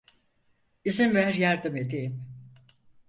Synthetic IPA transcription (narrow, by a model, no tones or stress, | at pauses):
izimvæɾjaɾd̪ɯmed̪iim